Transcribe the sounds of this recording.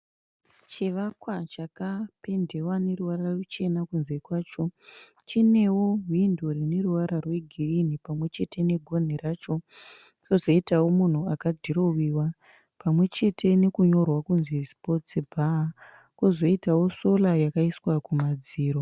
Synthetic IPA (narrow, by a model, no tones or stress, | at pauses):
t͡ʃiʋakwat͡ʃakape̞nde̞wane̞ruwaɾarut͡ʃe̞nakunze̞kwaːt͡ʃo̞t͡ʃine̞wo̞windorine̞ruwaɾarwe̞ɡʱirinipamwe̞t͡ʃe̞te̞ne̞ɡʱo̞n̤irat͡ʃo̞ | t͡ʃo̞zo̞itawo̞mun̤uakadʱiɾo̞wiwa | pamwe̞t͡ʃe̞tʰe̞ne̞kuɲo̞rwakunzespo̞t͡sibʱa | kozo̞itawo̞so̞lajakaiswakumad͡ziːɾo